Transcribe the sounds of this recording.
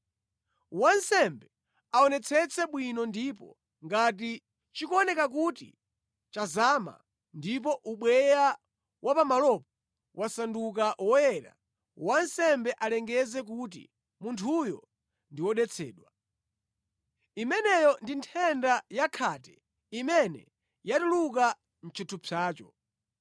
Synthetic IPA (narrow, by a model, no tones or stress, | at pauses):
wansɛmbɛ | aɔnɛt͡sʰɛt͡sʰɛɓwinɔndiːpɔ̰ | ŋɡat̬i | t͡ʃikɔnɛkak̬utḭ | t͡ʃazaːma̰ | ndip̬ɔʔuɓwɛja | wʔapamalɔp̚ɔ | wʔasanduk̬awɔjɛːɾa̰ | wansɛmbɛʔalɛŋɡɛzɛk̬ut̬ḭ | muntʰujɔ | ndiwɔɗɛt͡sʰɛ̰ːɗwa | imɛnɛjɔndintʰɛndajakʰaːtɛ̥ | imɛnɛ̰ | jatuluk̬a | n̩t͡ʃʰutʰupʰaːt͡ʃɔ